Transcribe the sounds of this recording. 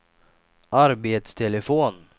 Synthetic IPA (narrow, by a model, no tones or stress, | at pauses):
ʔaɾbeːt̪st̪ʰɛləfoːn